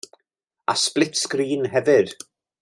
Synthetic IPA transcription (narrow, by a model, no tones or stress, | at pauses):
a̰splɪtskriːnɦɛvɨd